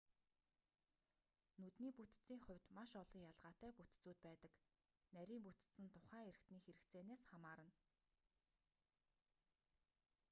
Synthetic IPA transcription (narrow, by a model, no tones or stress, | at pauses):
nɵt̪niːput̪t͡siːŋχʊ̟wʲt̪maʃɔɮʁɞ̆ŋjaɮʁaːt̪æːput̪t͡suːt̪̚pæːt̪ə̆k | næɾʲiːmput̪̆sɘ̆nt̪ʰʊ̥χæːeɾɘ̆kt̪niːxeɾɘ̆kt͡seːneːsχamaːɾə̆n